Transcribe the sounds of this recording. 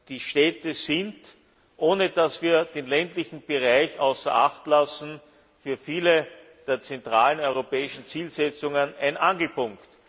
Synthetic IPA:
d̥iːʃtɛːtəsɪnt | ʔoːnəd̥asv̥iːɐd̥eːnlɛntlɪçn̩b̥əʁaɪçʔaʊsɐʔaxtlasn̩ | fyːɐfiːlə | d̥eːɐt͡sɛntʁaːlənɔʏʁopɛːɪʃn̩t͡siːlsɛt͡sʊŋənæɪnʔanɡl̩pʊŋkt

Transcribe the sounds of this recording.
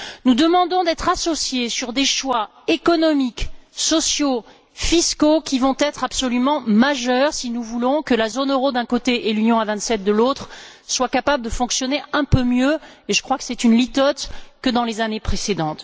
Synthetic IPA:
nud̪əmɑ̃d̪ɔ̃d̪ɛt̪χasɔsjesyʁd̪eʃwa | ekɔnɔmiksɔsjo | fiskokʲivɔ̃t̪ɛt̪χapsɔlymɑ̃maʒœʁsinuvulɔ̃kəlazonøʁod̪ɛ̃kot̪eʔelynjɔ̃avɛ̃t̪sɛt̪̚d̪əlot̪χswakapabləd̪əfɔ̃ksjɔneɛ̃pømjøeʒəkχwakə̥sɛt̪ynlit̪ɔt̪kəd̪ɑ̃lezanepχesed̪ɑ̃t̪

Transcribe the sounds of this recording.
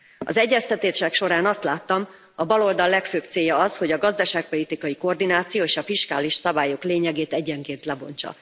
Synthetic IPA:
ɒ̰zɛɟːɛst̪ɛt̪eːʃɛkʃo̞ɾaːnɒst̪laːt̪ːɒm | ɒbɒlo̞ld̪ɒlːɛkføːpt̪seːjɒɒsho̞ɟɒɡɒzd̪ɒʃaːk̚po̞lit̪ikɒjiko̞rd̪inaːt̪sijoːeːʃɒfiʃkaːliʃsɒbaːjo̞kleːɲɛɡeːt̪ɛɟːɛŋkeːnt̪lɛbo̞ɲt͡ʃɒ̰

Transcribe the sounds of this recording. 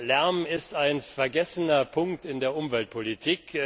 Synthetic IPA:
lɛɐmɪstaɪnfɛɐɡɛsənɐpʰʊŋk̚tɪndeːɐʔʊmvɛlt̚pʰolitʰiːk

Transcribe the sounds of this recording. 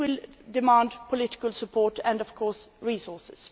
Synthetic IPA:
wɪldɪmɑ̃ːndpʰɔlɪtɪ̥kəlsəpʰɔːʈæ̃ndɔv̥kʰɔːsɹiːsɔːsɪs

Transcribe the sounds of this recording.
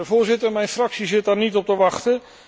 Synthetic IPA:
əvʊːɹzɪtəɹmɛjnfrɑksizɪt̚daːɹnitɔp̚təʋɑχtə

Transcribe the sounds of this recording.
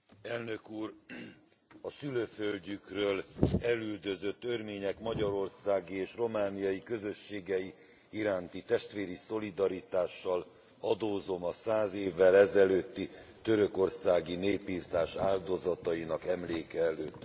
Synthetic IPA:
ɛlnø̞kuːr | ɒsyløːfølɟykrøːlɛlyld̪ø̞zøt̪ːørmeːɲɛkmɒɟɒɾo̞rsaːɡieːʃro̞maːnijɒjikø̞zø̞ʃːeːɡɛji | iɾaːnt̪it̪ɛʃt̪ʋeːɾiso̞lid̪ɒɾit̪aːʃːɒl | ɒd̪oːzo̞mɒsaːzeːvːɛlɛzɛløːt̪ːit̪ø̞ɾø̞ko̞rsaːɡineːpiːrt̪aːʃaːld̪o̞zɒt̪ɒinɒkɛmleːkɛɛløːt̪ː

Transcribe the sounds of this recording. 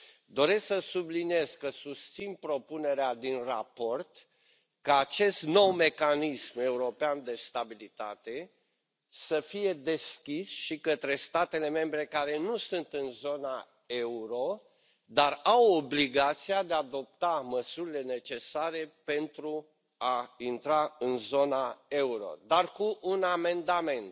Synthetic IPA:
d̪o̞ɾe̞sksəsublinije̞zkəsust̪sinpɾo̞pune̞ɾead̪inrapo̞rt̪ | kaːt͡ʃe̞st̪no̞wme̞kanisme̞uɾo̞peand̪e̞st̪abilit̪a̰t̪e̞ | səfije̞d̪e̞skʲisʃikət̪ɾe̞st̪at̪e̞le̞me̞mbɾe̞kaɾe̞nusɨnt̪ɨnzo̞na | e̞uɾo̞ | d̪arawobliɡat̪siad̪ead̪o̞p̚t̪aməsuɾile̞ne̞t͡ʃe̞saɾe̞pe̞nt̪ɾu | aint̪ɾaɨnzo̞nae̞uɾo̞̰d̪arkuʔːname̞nd̪ame̞nt̪

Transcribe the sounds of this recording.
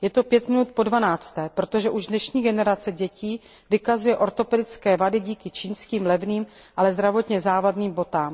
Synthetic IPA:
jɛt̪o̞pjɛt̪mɪnut̪̚po̞dvanaːt͡st̪ɛːpɾot̪oʒɛʔuʒdnɛʃɲiːɡɛnɛɾat͡sɛɟɛciː | vɪkazujɛʔo̞ɾt̪o̞pɛdɪt͡skɛːvadɪɟiːkɪt͡ʃiːnskiːmlɛvniːm | ʔalɛzd̪ɾavo̞t̪ɲɛzaːvadniːmbo̞t̪aːm

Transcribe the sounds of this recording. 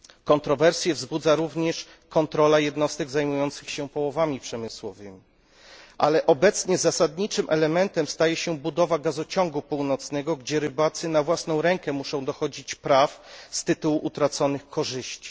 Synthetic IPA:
kɔnt̪ɾɔvɛɾsʲjɛvzbud̪zaɾuvɲɛʂ | kɔnt̪ɾɔlajɛd̪nɔst̪ɛɡzajmujɔnt̪sɘxɕɛpɔwɔvamʲipʂɛmɘswɔvɘmʲi | ʔa̰lɛʔɔbɛt̪sɲɛzasad̪ɲit͡ʂɘmʔɛlɛmɛnt̪ɛmst̪ajɛɕɛbud̪ɔvaɡazɔt͡ɕɔŋɡupuwnɔt̪snɛɡɔɡd͡ʑɛɾɘbat̪sɘnavwasnɔ̃w̃ɾɛŋkɛmuʂɔ̃w̃d̪ɔxɔd͡ʑit͡ɕpɾafst̪ɘt̪uwuʔut̪ɾat̪sɔnɘxkʰɔʐɘɕt͡ɕi̥

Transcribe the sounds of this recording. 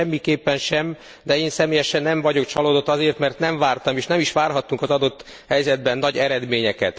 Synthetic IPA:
ɛmːikeːpːɛnʃɛm | d̪ɛeːnsɛmeːjɛʃɛnːɛɱvɒɟo̞kt͡ʃɒloːd̪o̞t̪ːɒzeːrmɛrt̪nɛɱvaːrt̪ɒmeːʃnɛmiʃʋaːrɦɒt̪ːuŋkɒzɒd̪o̞t̪ː | hɛjzɛd̪bɛnːɒɟɛɾɛd̪meːɲɛkɛ̰t̪

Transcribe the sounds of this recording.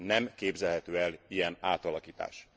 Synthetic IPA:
nɛmkeːbzɛlhɛt̪øːɛlijɛnaːt̪ɒlɒkiːt̪a̰ːʃ

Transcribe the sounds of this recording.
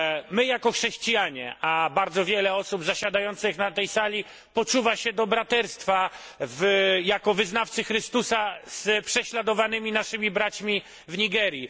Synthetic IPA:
mɘjakɔxʂɛɕt͡ɕijaɲɛ̰ʔabaɾd̪zɔvʲjɛlɛɔsubzaɕad̪ajɔnt̪sɘxnat̪ɛjsalʲi | pɔt͡ʂuvaɕɛd̪ɔbɾat̪ɛɾst̪fa | vjakɔvɘznaft̪sɘxɾɘst̪usaz̥pʂɛɕlad̪ɔvanɘmʲinaʂɘmʲibɾat͡ɕmʲi | vɲiɡɛɾji

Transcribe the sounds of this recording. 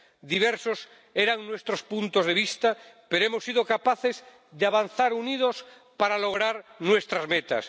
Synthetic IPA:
d̪iβ̞eɾsos | eɾaŋnwe̞st̪ɾospunt̪ozð̞e̞β̞ist̪apeɾoemosːiðokapaθe̞z | ðeaβanθaɾunið̞os | paɾalo̞ɣ̞ɾaɾnwe̞st̪ɾazmet̪a̰s

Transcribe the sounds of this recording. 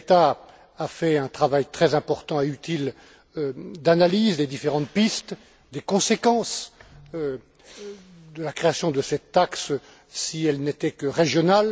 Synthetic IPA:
et̪a | afɛɛ̃t̪χavajt̪χɛzɛ̃pɔʁt̪ɑ̃eyt̪il | ød̪analizd̪ed̪ifeʁɑ̃t̪pist̪ | d̪ekɔ̃sekɑ̃sø | d̪əlakχeasjɔ̃d̪əsɛt̪ːaks | siɛlnet̪ɛkəʁeʒjɔnal

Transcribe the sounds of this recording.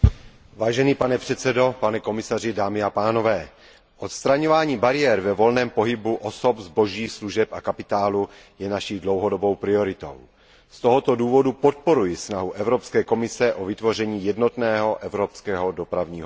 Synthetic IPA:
vaːʒɛniːpanɛpr̥ɛt̪sɛdo̞panɛko̞mɪsarɪdaːmɪapaːno̞vɛː | ʔot̪st̪ɾaɲovaːɲiːbaɾɪjɛɾvɛvo̞lnɛːmpo̞ɦɪbuʔosopzbo̞ʒiːsluʒɛpakapɪt̪aːlu | jɛnaʃiːdlo̞wɦodo̞bo̞wpɾɪo̞ɾɪt̪o̞̰w | st̪oɦot̪o̞duːvo̞dupot̪̚po̞ɾujɪsnaɦuʔɛvɾopskɛːko̞mɪsɛʔovɪt̪vo̞rɛɲiːjɛdno̞t̪nɛːɦoʔɛvɾopskɛːɦo̞do̞pɾavɲiːɦo

